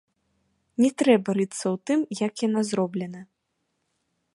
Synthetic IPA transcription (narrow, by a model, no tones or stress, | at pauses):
nʲɛt̪ɾɛbɐɾɨt̪sːɐwt̪ɨmjɐkjanazɾɔblʲɛnɐ